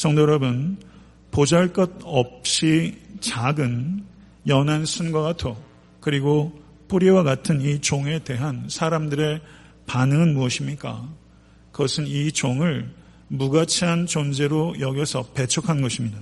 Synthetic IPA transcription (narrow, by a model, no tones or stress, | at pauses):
sʰʌŋdoɾʌbɯn | pod͡ʑaɭk͈ʌd̚ʌp̚ɕ͈it͡ɕaɡɯn | jʌnansʰunɡwaɡatʰo | kɯɾiɡo | pʰoɾiwaɡatʰɯnit͡ɕoŋe̞te̞ɦansʰaɾamdɯɾe̞ | panɯŋɯnmuʌɕʰimɲik͈a̰ | kʌsʰɯnit͡ɕoŋɯɭ | muɡat͡ɕʰiɦant͡ɕond͡ʑe̞ɾojʌɡjʌsʰʌpe̞t͡ɕʰʌkʰanɡʌɕʰimɲida